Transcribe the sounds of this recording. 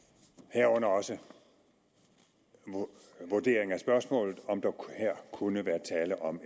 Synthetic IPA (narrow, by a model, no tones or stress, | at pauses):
hæɐ̰ɔ̽nɐɒ̽sə | ʋoɐd̥e̝̰ːɐeŋ̩æsb̥ɶɐsmɔ̰̽ːlð̩ˠɒ̽md̥ɑheɐ̰kʰunəʋæːɐt͡sʰɛːləʔɒ̽m